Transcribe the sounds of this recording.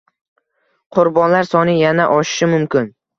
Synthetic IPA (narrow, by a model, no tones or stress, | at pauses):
qʰʊɾbɒnlaɾsɒnɪjanaʔɒʃɪ̥ʃɪmʊmkʲɪn